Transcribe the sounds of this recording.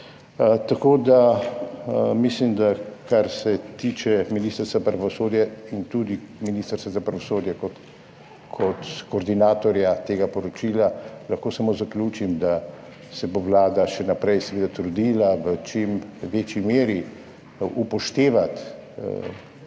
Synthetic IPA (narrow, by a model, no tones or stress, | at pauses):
t̪akoːd̪a | mislimd̪akaɾsɛt̪iːt͡ʃɛminiːst̪əɾst̪apɾaʋɔsoːd̪jɛint̪uːd̪iminist̪əɾsʋazapɾaʋɔsoːd̪jɛkɔt̪ | kʰɔt̪koːɾd̪inaːt̪ɔɾjat̪eːɡapɔɾɔt͡ʃiːlalaxkoːsamoːzaklʲuːt͡ʃimd̪a | sɛboʋlaːd̪aʃɛnapɾɛjsɛʋeːd̪at̪ɾud̪iːlaʋət͡ʃimʋeːt͡ʃimeːɾi | upɔʃt̪eːʋat̪